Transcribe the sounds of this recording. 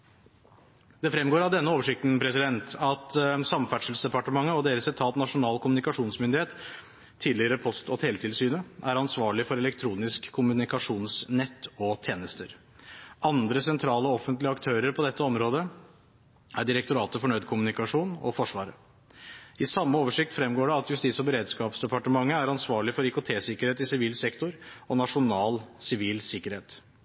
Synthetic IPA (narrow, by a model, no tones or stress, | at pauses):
d̪̥ɛfɾɛmːɡoːɾɑʋd̪ɛnːəoːʋəʂɪk̚t̪n̩pʰɾɛsɪd̪ɛnt̪ɑt̪sɑmfæʈʂəl̩sd̪ɛpɑʈəmɑŋːəɔd̪eːɾəsɛt̪ʰɑːt̪nɑʂʊnɑːlkʰʊmʉnɪkɑʂuːnsmʏnd̪ɪheːt̪ | t̪ʰːiːd̪lɪəɾəpʰɔst̪ɔt̪ʰeːlət̪ʰɪlsyːnəʔæɾɑnsʋɑːɭɪfɔɾɛlɛkt̪ʰɾuːnɪskʰːʊmʉnɪkɑʂuːnsnɛt̪ːɔt̪ʰeːnəst̪əɾ | ɑnd̪ɾəsɛnt̪ʰɾɑːlɔɔfənt̪lɪəɑkt̪ʰøːɾəɾpʰɔd̪ɛt̪ːəɔmɾoːd̪ə | æɖɪɾɛkt̪ʊɾɑːt̪əfɔɳœʏd̪kʰʊmʉnɪkɑʂuːnɔ̰fɔʂʋɑːɾə | ɪsɑmːəoːʋəʂɪk̚t̪fɾɛmːɡoːɖɛɑt̪jʉst̪iːsɔbəɾeːd̪skɑːpsd̪ɛpɑʈəmɑŋːəæɾɑnsʋɑːɭɪfɔɾɪkʊt̪ʰeːsɪkəɾheːt̪ɪsɪʋiːlsɛkt̪ʊɾɔnɑʂʊnɑːlsɪʋiːlsɪkːəɾheːt̪